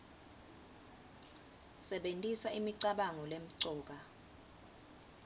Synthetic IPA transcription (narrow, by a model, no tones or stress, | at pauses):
sɛɓentʼisaimiǀaɓaŋɔlem̩ǀɔːk̬a